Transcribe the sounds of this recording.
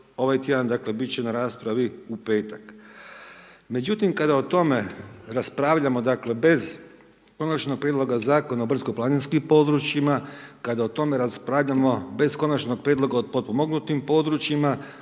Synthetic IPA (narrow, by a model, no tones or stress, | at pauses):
o̞ʋajt̪jed̪and̪akle̞bit̪t͡ɕe̞naɾaːspɾaʋiupe̞ːt̪ak | me̞d͡ʑut̪imkad̪aot̪o̞me̞ɾaspɾaːʋʎamo̞d̪akle̞be̞z | ko̞nat͡ʃno̞ɡ̥̚pɾʲjed̪lˠo̞ɡazaːko̞naobr̩zko̞plaːninskimpo̞d̪ɾut͡ʃjimakad̪aot̪o̞me̞ɾaspɾaːʋʎamo̞be̞zko̞nat͡ʃno̞ɡ̚pɾʲjed̪lˠo̞ɡaod̪̚pot̪̚pomoɡnut̪impo̞d̪ɾut͡ʃima